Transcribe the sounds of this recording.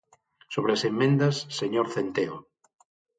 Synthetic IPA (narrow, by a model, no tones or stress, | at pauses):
soβɾeasemːẽnd̪ɐsːeɲoɾθent̪eo